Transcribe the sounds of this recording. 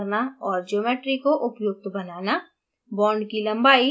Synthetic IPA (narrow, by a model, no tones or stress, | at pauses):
naɔːɾd͡ʒoːmeːʈɾikoʔʊpjʊk̚t̪bɐnaːna | bɔːɳɖkilɐ̃mbaːi